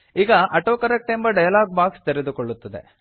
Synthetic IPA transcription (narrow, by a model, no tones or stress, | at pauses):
iːɡɐʔɐʈoːkɐɾɐk̚ʈembɐɖɐjɐlaːɡ̚baːkst̪eɾed̪ukoɭːut̪ːɐd̪e̞̰